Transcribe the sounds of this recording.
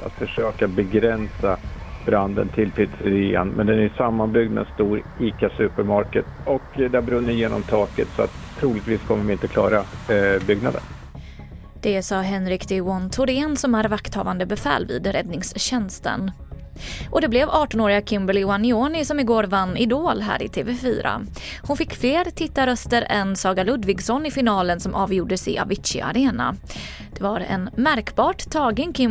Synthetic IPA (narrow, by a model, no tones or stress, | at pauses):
a̰t̪fœʂøːkabɛɡɾɛnsab̥ɾand̪ə̰nt̪ʰɪlt̪ʰiːd̪sɾeːa̰nmɛ̰nd̪ɛnæjsamːanbʏɡd̪mɛ̰st̪uːɾiːkasʉːpəɾmaɾkət̪ɔkd̪ɛæbɾɵnːəjeːnɔ̰mt̪ʰɑːkət̪sɔa̰t̪ʰːɾuːlɪɡ̚t̪viːskʰɔmːəɾvɪɪnt̪əkʰlɑ̰ːɾabʏɡnad̪ə̰n | d̪̥ɛsɑːɦɛnɾɪkd̪ɛɔnt̪ʰʊɾeːnsɔmæɾvakt̪hɑ̰ːvand̪əbɛfɛ̰ːlvḭːd̪ɾɛd̪nɪŋsɕɛnst̪ə̰n | ʔɔd̪ɛblɛvɑːʈɔnoːɾɪɡakʰɪmbəlɪʊanːɪoːnɪsɔmɪɡoːɾvanːɪd̪oːlɦæ̰ːɾɪ̰t̪ʰeːvɛfy̰ːɾa̰ | hʊnfɪkːfleːɾt̪ʰɪt̪ːaɾœst̪əɾɛnsɑːɡalɵd̪vɪɡsɔnːɪfɪnɑːlənsɔmʔɑːvjuːɖəsɪ̰ʔa̰vɪt̪ʃɪ̰ʔa̰ɾeːna̰ | d̪̥ɛvaɾɛ̰nmæɾkbɑːʈt̪ʰɑːɡənkʰɪ